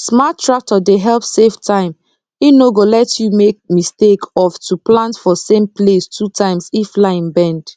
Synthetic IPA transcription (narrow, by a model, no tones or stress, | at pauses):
smatːɹak̚tʰɔdeɦɛlpseftʰãɪ̃m | inoɡolɛtjumek̚mistekɔftʰuplãntfɔsẽmplestʰutʰãɪ̃msiflaɪĩnbɛ̃nd̥